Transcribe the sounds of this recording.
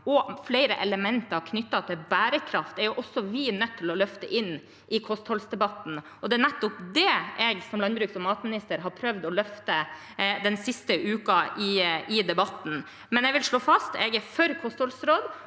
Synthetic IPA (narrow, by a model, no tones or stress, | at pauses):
ɔflɛɪɾəʔɛləmɛnt̪ɑɾkʰnʏt̪ːɑt̪ʰɪlbæːɾəkʰɾɑft̪ɛɾjʊʔɔsːɔʋɪnœt̪ʰːɪlɔlœft̪əʔɪnː | ʔɪkʰɔst̪hɔlsd̪ɛbɑt̪n̩ | ɔd̪ɛænæt̪ːɔpd̪ɛʔɛɡsɔmlɑnbɾʉːksɔmɑːt̪mɪnɪst̪əɾɦɑɾpʰɾœʋd̪ɔlœft̪ə | d̪ɛnsɪst̪əʉːkɑʔɪɪd̪ɛbɑt̪n̩ | mɛnɛɡʋɪlʂɭoːfɑst̪ɛɡɛfœɾkʰɔst̪hɔlsɾoːd̪